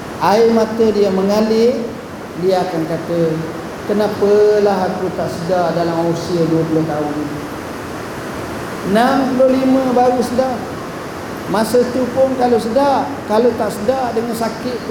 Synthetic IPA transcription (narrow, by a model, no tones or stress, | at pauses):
ʔaɪmat̪ədiaməŋalɪ | diaakankat̪ə | kənapəlaɦakut̪aʔsədadalamosiəduəpuloht̪aʊnini | nampulolimə̃baɾusəda | masət̪upʊnkalosədaʔ | kalot̪aʔsədaʔdəŋansakɪʔ̪̚